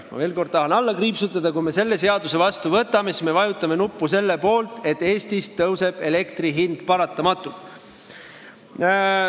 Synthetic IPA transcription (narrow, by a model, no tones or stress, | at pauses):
mɑ̰ve̞ːlko̞rd̪̚t̪ɑɦɑnɑlːɑkriːpsut̪ːˑɑd̪̥ɑkujme̞se̞lːe̞se̞ɑd̪use̞vɑst̪uvɤt̪ːˑɑmesme̞vɑjut̪ːˑɑme̞nupːuse̞lːepo̞ːlt̪e̞t̪ːˑe̞ːst̪ist̪ɤwse̞b̥e̞le̞kt̪riɦind̪̥pɑɾɑt̪ːˑɑmɑt̪ːˑult̪